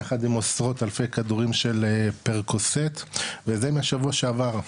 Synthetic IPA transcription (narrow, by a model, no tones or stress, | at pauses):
aχad̪imo̞sʁo̞t̪alfe̞jkad̪uʁimʃe̞lpeʁkoset̪vezemeaʃavuaʃeavaʁ